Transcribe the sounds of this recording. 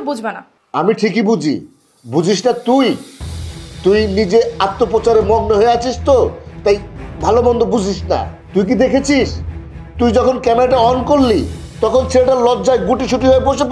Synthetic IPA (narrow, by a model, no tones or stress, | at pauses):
bud͡ʑʱbena̰ | a̰miʈʰikibud͡ʑʱḭ | bud͡ʑʱiʃʈat̪uj | t̪ujnid͡ʑeat̪ːopɾot͡ɕaɾemɔmnoɦoeat͡ɕʰiʃt̪ot̪ajbʱalobɔnd̪ʱobud͡ʑʱiʃna̰ | t̪ujk̬id̪ekʰet͡ɕʰiʃt̪ujd͡ʑɔkʰonkɛmeɾaʈaɔonkollit̪ɔkʰont͡ɕʰeʈalɔːd͡ʑaeɡuʈit͡ɕʰuʈiɦoeboʃep